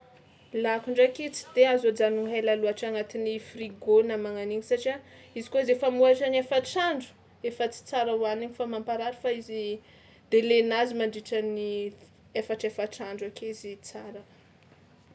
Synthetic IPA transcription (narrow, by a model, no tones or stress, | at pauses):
lakuɳɖ͡ʐakit͡si̥d̪̥eazad͡zanuŋɦajlaluaʈ͡ʂaŋat̪inifriɡonamaŋaniɲisaʈ͡ʂiaizi̥koizefamuaʈ͡ʂaniefaʈ͡ʂaɳɖ͡ʐu̥ | efət͡si̥t͡saɾawaniɲifamampaɾaɾifaizi | d̪̥elenazimaɳɖ͡ʐiʈ͡ʂəni | efaʈ͡ʂefaʈ͡ʂaɳɖ͡ʐakeizit͡saɾə